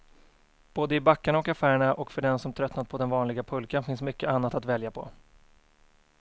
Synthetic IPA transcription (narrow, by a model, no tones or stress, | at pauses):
b̥oːd̪əɪbakːaɳaɔkafæːɾəɳaʔɔkfœɖɛnsɔmt̪ʰɾœt̪nat̪̚pʰɔd̪ɛnvɑːnlɪɡapʰɵlkanfɪnsmʏkːəʔanːat̪at̪vɛljapʰɔ̰